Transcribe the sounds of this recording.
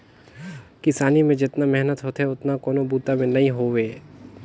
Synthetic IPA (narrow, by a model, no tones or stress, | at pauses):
kɪsaːnimẽd͡ʒɪt̪namɛɦnət̪ɦot̪ɦɛʊt̪nakoːnobuːt̪amẽnɐɦĩɦoːʋeː